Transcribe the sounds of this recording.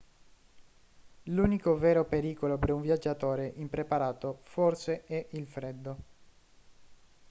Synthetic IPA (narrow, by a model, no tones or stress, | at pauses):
luːnikovɛːɾopeɾiːkolopeɾuɱvjad͡ʒːat̪oːɾeʔimpɾepaɾaːt̪oforseɛʔilfɾed̪ːo